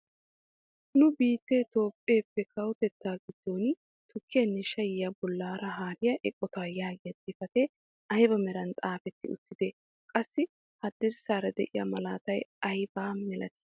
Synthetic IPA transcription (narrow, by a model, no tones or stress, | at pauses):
nʊbiːt̪ːet̪o̞ːpʼːe̞ːpːɛkʰɐwt̪ɛt̪ːaːɡɪd̪̥ːo̞ːn | t̪ʰʊkʰːɪjɐnːɛʃɐjɪjɐbɔlːaːɾɐɦaːɾɪjɐʔɛkʼːɔt̪aːjaːɡɪjɐt̪ʼːɪfɐt̪ɛ | ɐjbɐmɛɾɐnt̪ʼaːfɛt̪ːɪʊ̰t̪ːɪd̪eː | kʼɐsːɪ | hɐd̪ɪɾsaːɾɐd̪ɛ̰ʔɪ̰jɐ̰mɐlaːt̪ɐjɐjbaːmɛlʔɐt̪ɪ̥